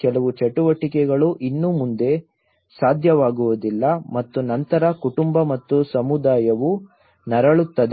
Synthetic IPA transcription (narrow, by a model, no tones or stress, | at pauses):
kɛlɐʋut͡ʃɐʈuʋɐʈikɛɡɐɭuʔinːumund̪e̞ | saːd̪ʱjɐʋaːɡuʋud̪ilːɐmɐt̪ːunɐnt̪ɐɾɐkuʈumbɐmɐt̪ːusɐmud̪aːjɐʋu | nɐɾɐɭut̪ːɐd̪